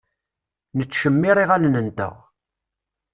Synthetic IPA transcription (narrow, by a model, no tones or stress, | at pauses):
nət͡sːʃəmːiɾˤiʁalnənd̪æ̰ʁ